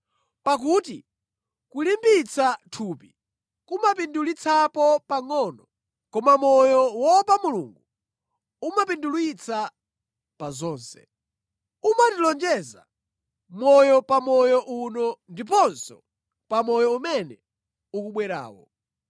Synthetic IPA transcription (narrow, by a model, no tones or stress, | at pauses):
pak̬uːti | kulimbit͡sʰatʰupi | kumap̬indulit͡sʰapɔpaŋɔnɔ | kɔmamɔjɔwɔpamulṵŋɡu | umapindulwit͡sʰa | pazɔːnsɛ̥̰ | umatilɔnd͡ʒɛza̰ | mɔjɔpamɔjɔʔunɔndip̬ɔnsɔ | pamɔjɔumɛnɛ | ukuɓwɛɾa̰ːwɔ̰